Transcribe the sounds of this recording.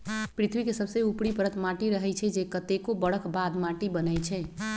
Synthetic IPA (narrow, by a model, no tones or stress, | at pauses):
pɾit̪ʰbikesəbseupɽipəɾət̪maʈiɾəɦɛt͡ʃʰɛd͡ʒekət̪ekobəɽ̤əkbad̪maʈibənəjt͡ʃʰɛ